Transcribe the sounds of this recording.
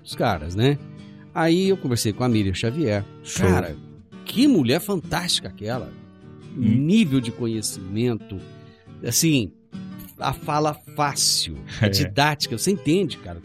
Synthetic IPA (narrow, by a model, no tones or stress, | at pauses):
ʊskaɾɐ̰snɛ | aiewkõveɾsejkõamiɾjɐʃaviɛɾ | kaɾɐ̰ | kʰɪmuʎɛɾfɐ̃nt̪ast͡ʃi̥kɐakɛlɐ̰ | nivewd͡ʒɪkõɲesimẽnt̪ʊasĩ | a̰falɐfasiwd͡ʒid̪at͡ʃi̥kɐvoseĩnt̪ẽd͡ʒɪkaɾɐ